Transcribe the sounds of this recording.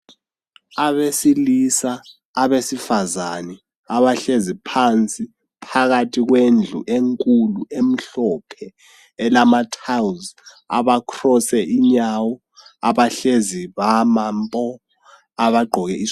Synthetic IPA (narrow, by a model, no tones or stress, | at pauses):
aβesilisaː | βesifazanɛ | aβaɬezipʰant͡sʼi | pʰaɣatʰiɣ̬wend͡ɮʱṵʔeŋkʼuluem̩ɬɔpʰɛː | lamatʰawz | a̰βakʰrɔsɛʔiɲawɔ | aβaɬeziβamampʼɔ | aβaɡ͡ǃʱɔɣɛi